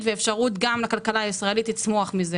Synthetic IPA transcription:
tveːfʃaʁut̪ɡamlakalkalaːisʁae̞lit̪lit͡smo̞aχmize

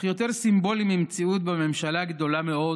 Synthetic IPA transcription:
jo̞t̪eʁsimbo̞limimt͡siut̪̚beme̞mʃalaɡd̪o̞lameo̞

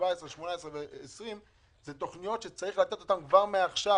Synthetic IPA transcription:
vaesʁeʃmonaesʁeveːsʁim | zet̪o̞χnijo̞tʃe̞t͡saʁiχlat̪e̞t̪o̞t̪amkvaʁmeaχʃa

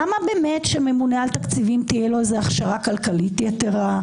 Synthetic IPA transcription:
amabeme̞tʃeme̞munealt̪akt͡sivimt̪ijelozeaχʃaʁakalkalitjeteʁa

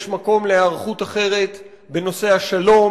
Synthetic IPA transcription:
ʃmako̞mleaʁχutaχe̞ʁe̞t̪ | be̞no̞se̞haʃalo̞

